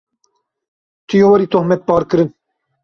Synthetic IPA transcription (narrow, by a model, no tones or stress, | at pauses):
t̪ʰɨjowɐɾiːt̪ʰohmɛt̪̚pɑːɾkɨɾɨn